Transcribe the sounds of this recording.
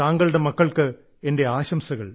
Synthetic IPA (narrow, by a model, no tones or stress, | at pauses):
aːŋɡɐɭɨɽemɐkːɐɭkɨ | ende̞aːɕɐmsɐɣɐɭ